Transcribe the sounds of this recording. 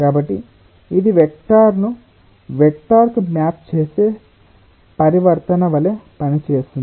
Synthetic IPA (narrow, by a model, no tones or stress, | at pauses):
kaːbɐʈːi | id̪iʋek̚ʈaːɾnu | ʋek̚ʈaːɾkumjaːp̚t͡ʃeːseː | pɐɾiʋɐɾt̪ɐnɐʋɐleːpɐnit͡ʃeːsind̪i